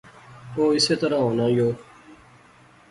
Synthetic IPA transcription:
oːɪseːt̪əɾãːɦoːnãːjoː

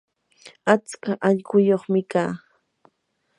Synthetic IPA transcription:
at͡skaʔaʎɢʊjoχmɪkaː

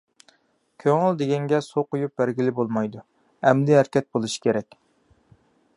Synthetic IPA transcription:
kʲʰøŋɪld̪eɡʲɛŋɡʲɛsoqʊjup̚bæɾɡʲilɪbolˠmɑjd̪u | ɛmd̪ɪɦæɾkʲɛt̪̚bolˠuʃi̥kʲeɾɛkʲ

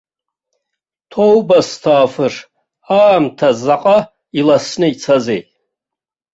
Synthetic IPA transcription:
tʰowbastʰaːfɨr | aːmtʰazaqʼa | ilasnɨit͡sʰazejtʼ

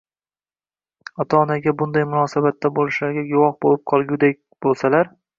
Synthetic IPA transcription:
ɒt̪ʰɒːnaɡʲabʊnd̪ajmʊnɒːsabat̪ʰːabolˠɪʃlaɾɡʲaɡʊwɒhbolɪp̚qʰɒlˠɡʲʊd̪ek̚ʲb̥olˠsalaɾ

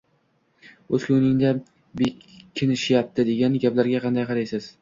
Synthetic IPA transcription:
ɵzkʲʊwnɪŋd̪a | bekʲʰːɪnɪʃɪjap̚t̪ʰɪd̪e̞ɡʲanɡʲaplaɾɡʲaqʰɑnd̪ajqʰɑɾajsɪz̥

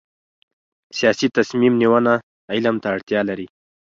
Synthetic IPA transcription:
sijɑsit̪asmimniwəna | ilamt̪aːɽt̪jɑlaɾi

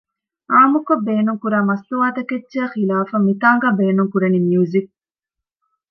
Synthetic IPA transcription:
ʔaːmukobːeːnuŋkuɾaːmɐsluaːt̪ɐkedt͡ʃexilaːfɐmit̪aːŋɡabeːnuŋkuɾɐnimjuzik̚

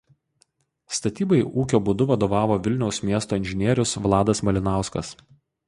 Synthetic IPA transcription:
st̪ɐt̪ʲiːbɐɪʔuːkʲoːbʊd̪ʊʋɐd̪oːʋɑːʋoːʋʲɪlʲnʲɛʊsmʲiɛst̪oːɪnʲʒʲɪnʲiɛɾʲʊsʋlˠɑːd̪ɐsmɐlʲɪnɑˑʊskɐs

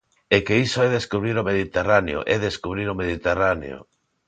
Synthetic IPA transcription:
ekeisoɛðeskuβɾiɾomeðit̪eraneo̰ʔɛðeskuβ̞ɾiɾomeðit̪eranḛo̰

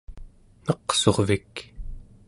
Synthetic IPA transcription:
nʌqso̞ʁvik

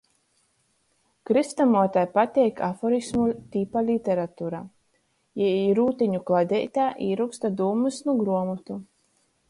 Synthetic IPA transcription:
kɾɨst̪amuɔt̪ajpat̪ʲɛːjkʰa̰fɔɾismut̪ʲipalʲit̪ʲɛɾat̪uːɾaː | jɛiɾuːt̪ʲiɲuklˠad̪ʲɛ̰jt̪aːʔiːɾukst̪ad̪uːmɨsnuɡɾuɔmut̪u

